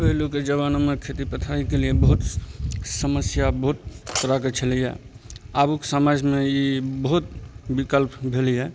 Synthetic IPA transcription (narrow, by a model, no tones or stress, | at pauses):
beluked͡ʒəʋaːnomẽkʰet̪ipət̪ʰaikeliebəɦʊt̪səməsjabəɦʊt̪ːəɾakət͡ʃʰəliɦɛ̰ | aːbuksamad͡ʒʱmẽjibəɦʊt̪bikəlpbʱeliɦɛ